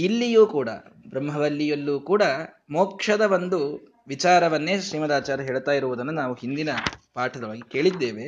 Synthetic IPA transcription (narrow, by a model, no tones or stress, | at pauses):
ilːijuːkuːɽɐ̰bɾɐmɦɐʋɐlːijɐlːuːkuːɽɐ | moːkʂɐd̪ɐʋɐnd̪u | ʋit͡ʃaːɾɐʋɐnːe̞ːʃɾiːmɐd̪aːt͡ʃaːɾɐɦeːɭt̪aːjiɾuʋud̪ɐnːunaːʋuɦind̪inɐpaːʈʰɐd̪ɐʋaːɡike̞ːɭid̪ːeːʋe̞